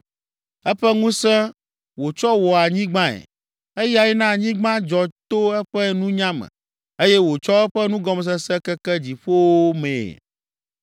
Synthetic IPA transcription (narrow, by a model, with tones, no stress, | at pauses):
ɛ˦ɸɛ˦ŋũ˦sɛ̃˦ | wo˨t͡ʃɔ˦wɔ˨a˨ɲĩ˦ɡ͡bã˦ɛ̰˨ | e˦ja˨ji˦nã˦˨ɲĩ˦ɡ͡bã˦d͡ʒɔ˨t̪o˦ɛ˦ɸɛ˦nũ˦ɲã˦mɛ̰̃˨ | e˦jɛ˦wo˨t͡ʃɔ˦ɛ˦ɸɛ˦nũ˦ɡɔ˦m˨s̬ɛ˦sɛ˦kɛ˦kɛ˦d͡ʑi˨ɸo˦wo˦mḛ̃˨